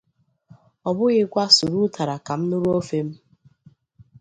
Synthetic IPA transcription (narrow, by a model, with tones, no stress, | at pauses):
ɔ˨bʊ˦ɣɪ˦kʷa˦su˨ɾu˦ta˨ɾa˨ka˨m̩˦nʊ˦ɾo˦fe˦m̩˦